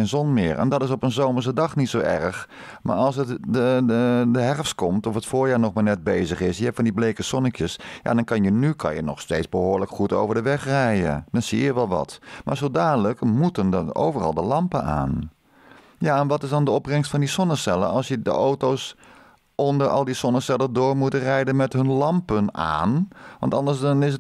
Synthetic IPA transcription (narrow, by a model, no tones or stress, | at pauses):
enzɔnmɪ̰ːɹʔɛ̰ndɑtɪsɔpənzowməɹsədɑχnitsowɛ̰rχ | ma̰ːɹɑlˠsətəədəɦɛrfstkɔmtɔfətfʊːɹjaːɹnɔχmaːɹnɛt̚beːzəχɪsjəɦɛp̚fɑndiblejkəsɔnəkjəsja̰dɑnkɑnjənykʰɑ̰njənɔ̰χsteːtzbəɦoːɹləkχuto̰wvəɹdəʋɛχrɛjə̰d̥ɑnsijəʋɛlˠʋɑ̰tmaːɹzoːlˠdaːdələkmutəndto̰wvərɑ̰lˠdəlɑmpəna̰ːn | jaːɛnʋɑtɪsdɑndəɔprɛŋstfɑndisɔnəsɛlə̰ɑlˠsjədə̰ʔowtows | ɔndəɹɑ̰lˠdisɔnəsɛlədʊːɹmutərɛjdənmɛtɦɵnlɑmpəna̰ːnʋɑ̰ntɑ̰ndəɹsdɑnɪs̬ət